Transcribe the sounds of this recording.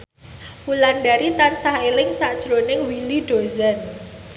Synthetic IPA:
wulanɖaɾit̪ansaɦelɪŋsaʔd̥ʒ̥ɾonɪŋwiliɖ̥ozan

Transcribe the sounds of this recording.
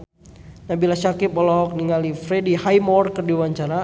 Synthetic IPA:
nabilasakipɔlɔɦɔk̚niŋalifɾedihajmɔrkərdiwaɲt͡ʃaɾa

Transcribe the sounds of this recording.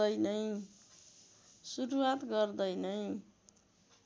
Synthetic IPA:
ʌjnʌj̃ | suɾuwat̪ɡʌrd̪ʌjnʌj̃

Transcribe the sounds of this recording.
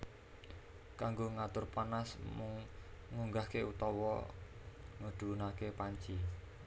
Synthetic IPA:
kaŋɡoŋat̪ʊrpanasmʊŋːuŋɡahkeut̪ɔwɔ | ŋəɖ̪̥ṳnakepaɲt͡ʃi

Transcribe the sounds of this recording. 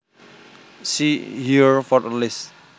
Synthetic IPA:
sihiɹfɔtlis

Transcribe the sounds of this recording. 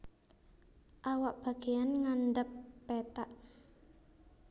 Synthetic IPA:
ʔawaʔb̥a̤ɡ̥ejanŋandəpːɛt̪aʔ

